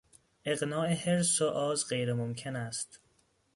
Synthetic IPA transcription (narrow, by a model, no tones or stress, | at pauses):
ʔeɣnɒːe̞he̞ɾsoʔɒːzɢe̞jɾemomcʰe̞næst̪